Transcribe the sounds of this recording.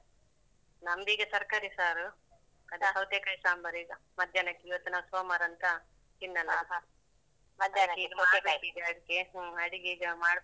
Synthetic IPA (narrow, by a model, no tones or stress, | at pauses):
nɐmd̪iːɡɐsɐɾkaɾisaːɾ | kɐd̪ʱaɦɐʋt̪eːkɐjsaːmbɐɾiːɡɐ | mɐd̪ʱjɐnɐkːiːʋɐt̪ːunaːsoːmaɾɐnt̪ɐ | t̪inːɐlːɐa | mɐd̪ʱjɐɐkːiiːɡɐmɐaːɐbeʈid̪eɐɽikːeɐɽiɡiːɡɐmaːɽ